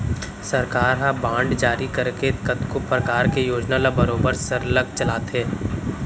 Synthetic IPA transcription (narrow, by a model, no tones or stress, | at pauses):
sɐɾkaːɾɦãbãːɳɖd͡ʒaːɾikɐɾkekɐt̪kopɾɐkaːɾkejoːd͡ʒnalabɐɾoːbəɾsəɾləɡt͡ʃɐlaːt̪eː